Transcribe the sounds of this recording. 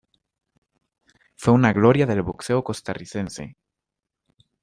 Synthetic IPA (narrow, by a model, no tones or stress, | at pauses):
fweunaɣloɾjaðe̞lβokseokost̪ariθensḛ